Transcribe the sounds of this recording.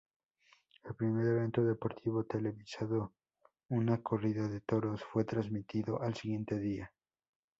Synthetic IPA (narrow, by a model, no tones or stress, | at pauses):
elpɾime̞ɾeβ̞e̞nt̪o̞ðe̞po̞ɾt̪ʰiβo̞t̪e̞le̞βisaðo | unako̞riðaðe̞t̪o̞ɾo̞sfwe̞t̪ɾazmit̪iðo̞ʔalsiɣje̞nt̪e̞ðia